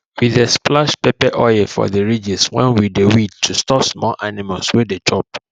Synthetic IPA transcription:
wiðesplaʃpepɛʔɔɛfɔ̰ðəɹid͡ʒiswɛ̰̃nwidewid̚tʰːustɔpsmɔlʔanimalswedet͡ʃʰɔp̚

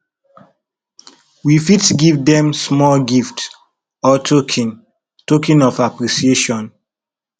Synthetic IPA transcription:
wifitɡivdɛ̃msmɔlɡift | ɔtʰokʰĩn | tokĩnɔfapɾisieʃɔ̃n

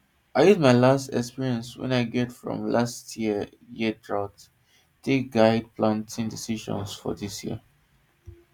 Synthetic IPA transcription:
aɪhɛd̚maɪlastɛ̰kspiɹiɛ̃nswɛ̰̃naɪɡɛtfɹɔ̰̃mlastʰjiə | jiədɹat | deɡaɪd̚pʰlãntʰĩŋdisiʃɔ̰̃nsfɔ̰disjḭə

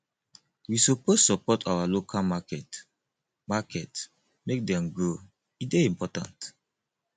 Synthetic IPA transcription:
wisopossɔpɔtʰawalokʰalmakɛt | makʰɛt | mek̚dɛ̃mɡo | it̚deĩmpɔtã̰nt

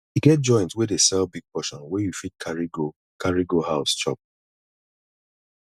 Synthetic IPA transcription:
juɡɛt̚d͡ʒɔ̃ɪ̃ntwidesɛlbiɡ̚pɔʃɔ̃nwɛjufit̚kʰaɹiɡo | kʰaɹiɡohaʊst͡ʃɔ̰p̚

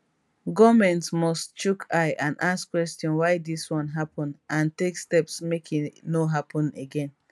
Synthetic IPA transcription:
ɡɔmɛ̃ntmɔstt͡ʃukʰaɪʔãnʔaskwɛstɔ̃nwaɪdiswɔ̃nɦapʰɔ̃nʔãntekstɛpsmekʰinoɦapʰɔ̃neɡɛ̃n

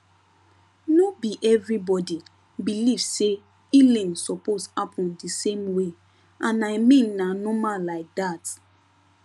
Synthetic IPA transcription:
nobiʔɛvɹibɔdi | bilivse | ilɛ̃nsɔposhapʰɔ̃ndisẽmwe | ʔãnaɪmĩnnanɔmalaɪk̚dat

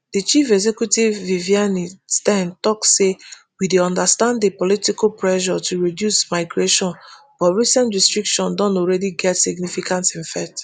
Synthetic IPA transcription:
dət͡ʃifɛɡzɛkjutivːivianistɛ̃ntɔksːe | wideɔ̃ndastãnddepɔlitikalpʰɹɛʃɔtʰuɹidjusmaɪɡɹeʃɔ̃n | b̥ɔtɹisɛ̃ntɹistɹikʃɔ̃ndɔ̃ntɔlɹɛdiɡɛtsiɡnifikãntĩnfɛt

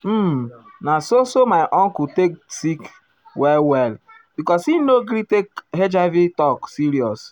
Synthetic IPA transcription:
m̩nasosomaɪʔɔ̃ŋkuteksik | wɛlwɛl | b̥ikɔsinoɡɾitekhed͡ʒavitɔksiɾiɔs

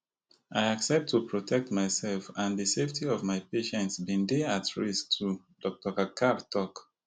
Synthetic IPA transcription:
ʔaɪaksɛp̚tʰːupɹɔtʰɛk̚tmaɪsɛlfãnðɨseftʰiɔvmaɪpeʃɛ̃ntsbĩndeatɹistʰu | dɔk̚tɔkakʰadtʰɔk

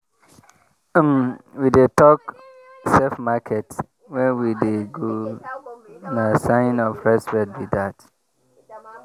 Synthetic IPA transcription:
mwidetɔk | sɛfmakʰɛt | wɛ̃nwideɡo | nasãɪ̃nɔfɹɛspɹɛt̚widat

